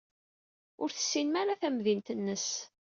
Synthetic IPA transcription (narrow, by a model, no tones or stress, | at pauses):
ʊɾθə̥sːinmaɾaθæmðint̪ənːəs